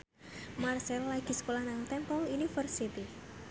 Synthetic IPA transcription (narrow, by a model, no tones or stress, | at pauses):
marsɛllaɡ̥i̤sə̥kolahnaŋt̪ɛmpɔlinifərsit̪i